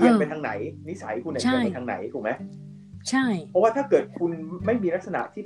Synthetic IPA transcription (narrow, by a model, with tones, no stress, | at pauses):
i˧˩ə˧mpa˧t̪ʰaː˧ŋna˩˦jni˦˥sa˩˦jkʰu˧nːʰ˨˩˥i˨˥pa˧nt̪ʰaː˧ŋna̰˩˦jt̪ʰuː˨˩k̚ma˦˥j | t͡ɕʰa˥˩jpʰɔ˦˥waː˥˩t̪ʰaː˥˩kɤː˨˩t̪̚kʰu˧nma˥˩jmiː˧ɾa˦˥k̚sa˧na̰˨˩ʔt̪ʰiː˥˩